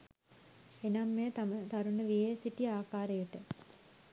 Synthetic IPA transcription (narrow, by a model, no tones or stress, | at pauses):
enɐmːet̪amət̪ɐɾunəʋijesiʈiaːkaːɾejəʈə